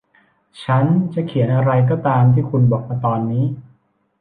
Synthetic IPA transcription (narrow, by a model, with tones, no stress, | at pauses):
t͡ɕʰa˦˥nt͡ɕa˨˩ʔkʰi˨˩˦nʔa˧ɾa˧jk̬ɔː˥˩t̪aː˧mt̪ʰiː˥˩kʰu˧nbɔː˨˩k̚ma˧t̪ɔː˧nːiː˦˥